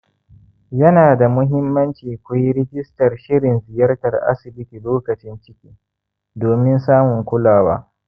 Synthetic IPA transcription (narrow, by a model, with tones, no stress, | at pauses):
jɐ˦naː˨da˨mʊ˦ɦɪ˦mːɐ˦nt͡ʃiː˨kʷu˦jɾɪ˦ɡʲɪ˦stɐ˨rʃɪ˦ɾɪ˨nzɪ˨jɐ˦rtɐ˨rʔa̰˦sɪ˨bɪ˦ti˨loː˦kɐ˨t͡ʃɪ˦nt͡ʃɪ˦kʲiː˦ | doː˨mɪ˦nsaː˦mʊ˨ŋkʷʊ˦laː˨wa̰ː˦